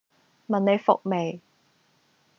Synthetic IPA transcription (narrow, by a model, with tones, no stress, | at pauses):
mɐ˨ne˨˧jfʊ̰˨k̚me˨j